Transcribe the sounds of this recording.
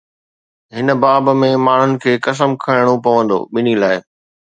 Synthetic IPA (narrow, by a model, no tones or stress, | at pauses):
ɦɪnə̆baːbmẽmaːɳ̤ʊnɪ̆kʰeːkɐs̬əmkʰaɪɽ̃opɐʋə̃nd̪o̰ːɓɪn̤ilaːɪ